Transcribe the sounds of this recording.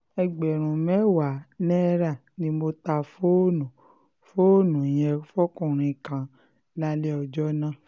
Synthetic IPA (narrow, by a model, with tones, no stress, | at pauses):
ɛ˧ɡ͡bɛ˨ɾ̃ũ˨mɛ̃˨˦wa˨nɛ̃˦ɾa˦˨nĩ˧˦mo˧ta˧fo˦˨nũ˨ | fo˦o˦˨nũ˨j̃ɛ˧˦fɔ˦kũ˦˨ɾ̃ĩ˧kã˧ | la˦le˦ɔ˧d͡ʒɔ˦nã˦˨